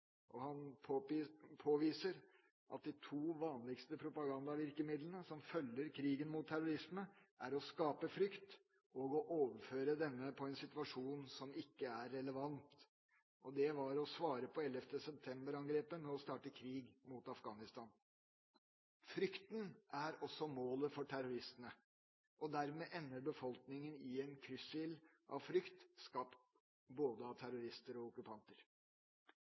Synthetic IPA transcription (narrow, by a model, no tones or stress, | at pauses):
ʔɔhɑnʰpʰoːʋiːsəɾ | ʔɑ̰t̪̚d̪ɪt̪ʰuːʋɑːnlɪkst̪əpʰɾʊpɑɡɑnd̪ɑʋɪɾkəmɪd̪lənəsɔmfœlːəɾkʰɾiːɡənmʊt̪ʰːæɾʊɾɪsməʔæɾɔskɑːpəfɾʏkt̪ | ɔɡɔʔoːʋəɾføːɾəd̪ɛnːəpʰɔɛnsɪt̪ʋɑʂuːnsɔmɪkːəæɾːɛləʋɑnt̪ | ʔɔd̪ɛʋɑɾɔsʋɑːɾəpʰɔɛlɛft̪ʰəsɛp̚t̪ʰɛmbəɾɑŋɡɾeːpənɛɔst̪ɑːʈəkʰɾiːɡmuːt̪ɑfɡɑːnɪst̪ɑːn | fɾʏkt̪nʔæɾɔsːɔmoːləfɔʈʰæɾʊɾɪst̪ənə | ʔɔd̪æɾmeːʔɛnːəɾbəfɔlknɪŋənɪɛnkʰɾʏsɪlʔɑ̰ʋfɾʏkt̪skɑpt̪ | boːd̪əɑt̪ʰæɾʊɾɪst̪əɾɔʊkʉpʰɑnt̪əɾ